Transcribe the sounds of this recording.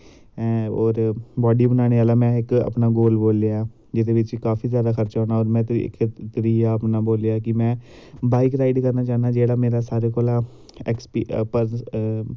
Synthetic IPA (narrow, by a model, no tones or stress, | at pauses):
oːɾbɔːɖiːbənaːɽ̃eːaːlaːmɛ̃ːɪkə̰pnaːɡoːlboːljaː | d͡ʒɪd̪eːʋɪt͡ʃkaːfʰiːzjaːd̪aːxəɾt͡ʃaːnaːɔːɾmɛ̰̃ːkʰt̪əɾiːaːəpnaːboːljaːkɪmɛ̃ː | baːɪkɾaːɪɖkəɾnaːt͡ʃãːnaːd͡ʒeːɽaːmeːɾaːsaːɾeːkoːlaː | ɛ̰kspiːpəɾ